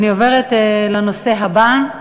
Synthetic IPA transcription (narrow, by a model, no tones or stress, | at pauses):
nio̞ve̞ʁetleno̞se̞ɦaba